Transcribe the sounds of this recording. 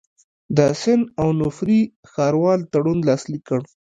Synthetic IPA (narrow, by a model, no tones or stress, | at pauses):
d̪əsɪnawnʊfɾi | xɑɾwɑlt̪aɽunlɑslikːəɳ